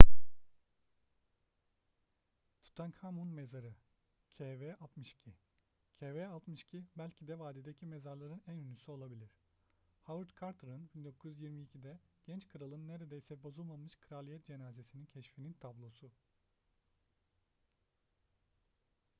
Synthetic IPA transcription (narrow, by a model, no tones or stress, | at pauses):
t̪ʰu̥t̪ʰankʰamunmezaɾɯ | cʰevɛʔalˠt̪mɯʃcʰi | cʰevealˠt̪mɯʃcʰibælʲcʰid̪ɛvaːd̪id̪ecʰime̞zaɾlˠaɾɯnænynysyo̞lˠabilʲiɾ̥ | havɯɾt̪kʰaɾt̪ʰɾɯnbind̪o̞kʰuzjyzjiɾmiːcʰid̪ɛɟ̥ɛnt͡ʃkʰɯɾalˠɯnːeɾe̞d̪ejsɛbo̞zulˠmamɯʃkʰɯɾalʲˠijɛt̪̚d͡ʒe̞naːze̞sinincʰɛʃfinint̪ʰablˠo̞su